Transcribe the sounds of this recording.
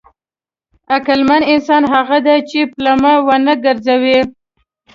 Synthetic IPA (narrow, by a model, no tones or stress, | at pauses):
akalmanɪnsɑnɦaɣad̪at͡ʃeplamawanaɡəɾzawi